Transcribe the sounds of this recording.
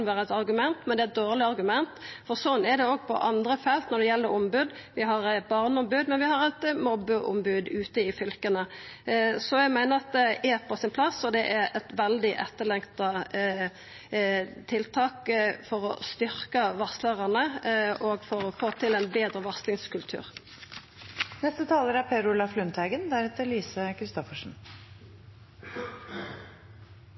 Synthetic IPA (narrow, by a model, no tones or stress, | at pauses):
nʋæːɾəɛt̪ɑɾɡʉmɛnt̪mɛnd̪ɛɛt̪̚d̪oːʁlɪɑɾɡʉmɛnt̪fɔɾsɔnːɛɾd̪ɛoːɡ̚pʰɔ̰ʔɑnd̪ɾəfɛlt̪nɔd̪ɛjɛlːəɾɔmbʉd̪ | ʋɪɦɑɾɛbɑʁnəɔmbʉd̪mɛnʋɪhɑɾɛt̪mɔbːəʔʊ̰mbʉd̪ʉːt̪əɪfʏlkənə | sɔjæɪmæɪnəɾɑt̪̚d̪ɛɛɾpʰɔsɪnpʰlɑsːɔd̪ɛʔæɾɛt̪ʋɛld̪ɪʔɛt̪ːəɭɛŋkt̪ɑ | t̪ʰɪlt̪ʰɑːkfɔɾɔ̰st̪ʏɾkɑʋɑsləʁɑnəʔoɡfɔɾɔfoːt̪ʰɪlæɪnbeːd̪ʁəʋɑʁslɪŋskʉlt̪ʰʉ̰ːʁ | nɛst̪ət̪ʰɑːləɾæɾpʰeːɾʊlɑflʉnt̪ʰhæɪɡənd̪æɾɛt̪əɾliːsəkʰɾɪst̪ɔfəʂn̩